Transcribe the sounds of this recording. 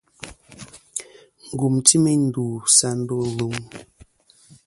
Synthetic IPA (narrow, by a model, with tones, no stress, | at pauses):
ŋ̩˨ɡu˨mti˦me˦n̩˦duː˨sa˦m˦bə˦lu˦ŋ